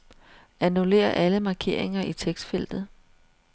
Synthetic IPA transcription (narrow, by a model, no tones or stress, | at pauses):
ænule̝̰ːɐʔæləmɑ̈ːkʰe̝̰ːɐ̰e̝ŋɐʔit͡sʰeɡ̥sd̥fel̰d̥ð̩ˠ